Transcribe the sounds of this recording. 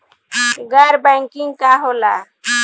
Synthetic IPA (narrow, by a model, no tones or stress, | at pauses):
ɡaɾbajŋkiŋɡkaɦola